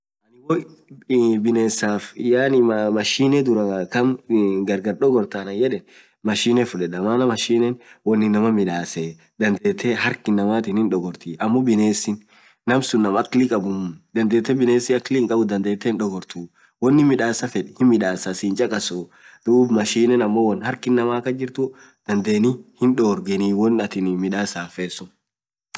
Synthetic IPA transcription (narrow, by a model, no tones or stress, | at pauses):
ʔɐnɪwɔ | bɪne̞ːsaːfjaːnɪmɐʃiːnɛd̪ʊɾɐkɐmɡɐɾɡɐɾɗɔɡɔɾt̪aːnɐjɛᶑɛn | mɐʃiːnɛfʊᶑɛᶑɐmaːnɐmɐʃiːnɛnwɔnːɪnɐmɐmɪᶑaːse | d̪ɐnd̪eːt̪ʰːeɦɐɾkɪnːɐmaːt̪ɪnɪnᶑɔɡɔɾt̪iʔɐmːɔbɪne̞ːsɪnː | ɐmsʊnːɐmɐklɪkʼɐbʊmd̪ɐnd̪e̞ːt̪ːɛbɪneːsɪɐklɪhɪŋkʼɐbʊd̪ɐnd̪eːt̪ːɛɪnᶑɔɡɔɾt̪uː | wɔnːɪmɪᶑaːsɐfɛᶑhɪnmɪᶑaːsɐsɪːnt͡ʃʼɐkʼɐsɔ | d̪̥uːbmɐʃiːnɛnɐmːowɔnhɐɾkɪnːɐmaːkːɐd͡ʒɪɾt̪ʊ | d̪̥ɐnd̪e̞ːnɪhɪnᶑɔːɾɡɛniːwɔnɐt̪ɪnmɪᶑaːsaːfeːsʊn